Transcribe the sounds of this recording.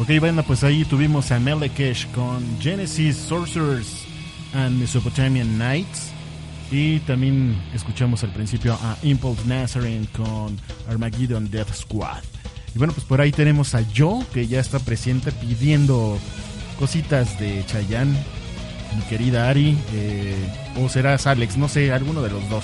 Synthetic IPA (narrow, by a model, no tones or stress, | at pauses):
okejβand̪apwesait̪uβimo̞samelekeʃkond͡ʒenesisːoɾseɾs | anmesopot̪amjãnːajt̪s | it̪ambje̞ne̞skut͡ʃamo̞salpɾinsipjoʔaʔimpolt̪nasaɾenkonaɾmaɣiðond̪eðskwa̰ðibweno̞pwespo̞ɾait̪e̞ne̞mo̞saʝo̞ke̞ʝaest̪apɾe̞se̞nt̪e̞piðje̞nd̪o̞ | ko̞sit̪azðe̞t͡ʃaʝan | mike̞ɾiðaaɾie | oseɾasaleksno̞se̞alɣunoð̞e̞lo̞zðo̞s